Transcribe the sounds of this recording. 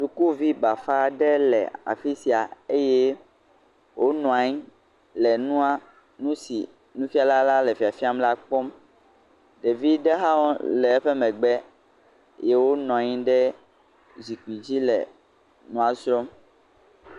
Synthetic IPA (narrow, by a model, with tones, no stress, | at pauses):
su˨ku˦vi˦ba˨fa˦˨ɖɛ˦lɛ̰˨a̰˨fi˦si˨a˨e˦je˦ | wʔo˦nɔ̃˨a˨ɲĩ˦ | lɛ˨nũ˦a˦ | nũ˦sḭ˨ | nũ˦fi˦a˦la˦la˦lɛ˨fi˨a˨fi˦a˦mla˦k͡pɔ˦m | ɖe˨vi˦ɖɛ˦ɦa˦wɔ̃˦lɛ˨˦ɸɛ˦mɛ̃˨ɡ͡bɛ˦ | je˦wo˦nɔ̃˨a˨ɲĩ˦ɖɛ˦ | zi˨ki˨d͡ʑi˦lɛ̰˨ | nɔ̃˨a˨sɾɔ˦m